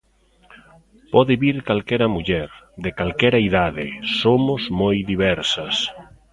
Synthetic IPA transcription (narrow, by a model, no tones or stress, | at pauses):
pɔðɪβiɾkalkɛɾɐmuʎɛɾðɪkalkɛɾɐiðaðɪsomʊzmojðiβɛɾsɐs